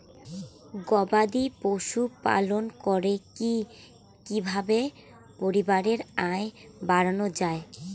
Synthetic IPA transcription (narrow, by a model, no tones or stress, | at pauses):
ɡɔbad̪ipoʃupa̰lonkɔɾeki | kibʱabe | poɾibaɾeɾaebaɾanod͡ʑae